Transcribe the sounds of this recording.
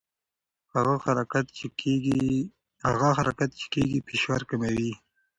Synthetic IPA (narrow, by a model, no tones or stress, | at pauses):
haɣaxaɾakat̪ɡi | haɣaxaɾʔakat̪̚t͡ʃe̥keɡipeʃwaɾkamawi